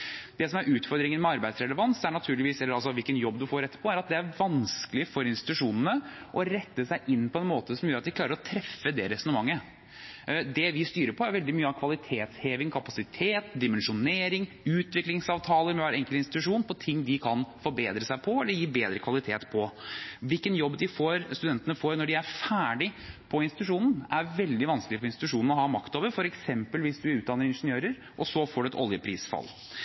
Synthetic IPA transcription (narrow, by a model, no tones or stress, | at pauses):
d̪̥ɛsɔmæɾʔʉːt̪fɔɾd̪ɾɪŋənmɛɑɾbæɪsɾɛləʋɑnsd̪ɛæɳɑt̪ʰʉːlɪʋiːsɛlːəɑlsɔʋɪlkənjɔbːd̪ʉfoːɾɛt̪ːə̥pʰɔæɾɑt̪̚d̪ɛæɾʋɑnsklɪəfɔɾɪnst̪ɪt̪ʉʂuːnənəʔɔɾɛt̪ːəsæɪʔɪnːpʰɔɛnmoːt̪əsɔmjøːɾɑt̪ʋɪkʰlɑːɾəɾɔt̪ʰɾɛfːəd̪ɛɾɛsɔnəmɑŋːə | d̪ɛʋɪst̪yːɾəɾpʰɔæɾʋɛld̪ɪmyːəɑʋkʰʋɑlɪt̪ʰeːt̪sheːʋɪŋkʰɑpɑsɪt̪ʰeːt̪d̪ɪmɛnʂʊneːɾɪŋ | ʉːt̪ʋɪklɪŋsɑːʋt̪ʰɑːləɾmʋɑɾɛŋkəlɪnst̪ɪt̪ʉʂuːnpʰɔt̪ʰɪŋːd̪ɪkʰɑnfɔɾbeːd̪ɾəsæɪpʰɔɛlːəɾjiːbeːd̪ɾəkʰʋɑlɪt̪ʰeːt̪pʰɔʋɪlkənjɔbːd̪ɪfoːɾst̪ʉd̪ɛnt̪ənəfoːɾnɔɖɪæɾfæːɖɪpʰɔɪnsɪt̪ʉʂuːnn̩æɾʋɛld̪ɪʋɑnskəlɪfɔɾɪnst̪ɪt̪ʉʂuːnn̩ɔhɑmɑkt̪oːʋəɾfɔɾɛksɛmpəlʋɪsd̪ʉɾʉːd̪ɑnːəɾɪnʂənɪjøːɾəɾ | ʔɔsɔfoːɖɛɛt̪ɔ̰ljəpʰɾḭːsfɑ̰lː